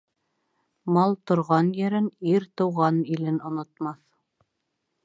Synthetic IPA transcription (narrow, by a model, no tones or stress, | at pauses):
mɑlˠt̪ŏɾʁɑnjɘ̆ɾɘniɾt̪ɤ̆wʁɑnilɘnŏnŏt̪mɑθ